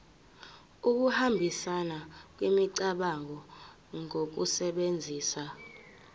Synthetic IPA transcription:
uk̬uhambʱisanak̬wimiǀaɓaŋɔ | ŋok̬usɛɓend͡zʱiːsa

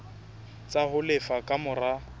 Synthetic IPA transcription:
t͡sʼahʊlɪfakʼamʊra

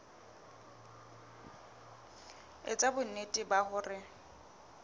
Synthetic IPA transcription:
ḛt͡sʼabʊnetʼɪbahʊːrɪ

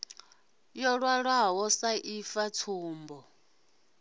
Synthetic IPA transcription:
jɔɺwaɺwaɦɔsaʔifatʰuːmbɔ

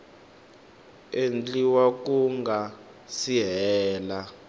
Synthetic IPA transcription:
end͡ɮiwakuŋɡa | siɦɛːla

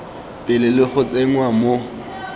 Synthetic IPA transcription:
pʼɪlɪlɪχʊt͡sʼeŋ̩wamo

